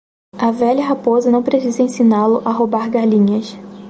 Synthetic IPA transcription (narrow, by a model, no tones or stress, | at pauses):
ɐvɛʎɐɦapozɐnɐ̃w̃pɾesizɐẽsinalʊʔaɦobaɾɡalĩɲɐs